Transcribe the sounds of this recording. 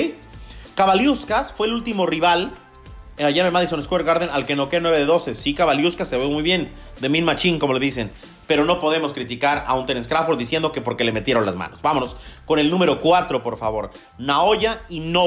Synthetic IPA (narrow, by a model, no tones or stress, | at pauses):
kaβaljuskasfwe̞ːlult̪imo̞riβal | aʝanamaðisoneskweɾɣaɾðenalkeno̞kenweβe̞ðeðose̞sikaβaljuskasːeβemujβje̞nd̪e̞mĩnmat͡ʃiŋko̞mo̞le̞ðis̬e̞n | pe̞ɾo̞no̞po̞ð̞e̞mo̞skɾit̪ikaɾaunt̪eneskɾafoɾd̪isje̞nd̪o̞ke̞po̞ɾke̞le̞me̞t̪je̞ɾo̞nlazma̰no̞z̥bamo̞no̞sko̞ne̞lnũme̞ɾo̞kwat̪ɾo̞po̞ɾfaβo̞ɾ | nao̞ʝaino